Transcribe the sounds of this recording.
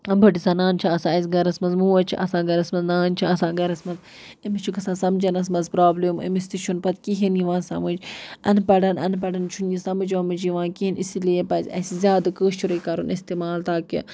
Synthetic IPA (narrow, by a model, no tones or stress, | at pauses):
bʱɐʈisɐnaːnt͡ʃʰiɐsãːɐz̬ʲɡɐɾɐsmɐnzmuːɐt͡ʃʰḭʔɐsãːɡɐɾɐsmɐznaːnt͡ʃʰiɐsãːɡɐɾɐsmɐz | imit͡ʃʰukɐsãːsɐmd͡ʒɐnɐs̬mɐzpɾaːblemḭmist̪it͡ʃʰunpɐt̪kiɦinjiʋãːnsɐ̰mud͡ʒɐnpɐɖɐnɐ̰npɐɖɐnt͡ʃʰunjisɐmɨd͡ʒɐmɨd͡ʒiʋãːkiinisiliepɐzʲɐ̰sizʲjaːd̪ɨkəːʃt͡ʃʰuɾɐkɐɾunist̪iːmaːlt̪aːkːḭ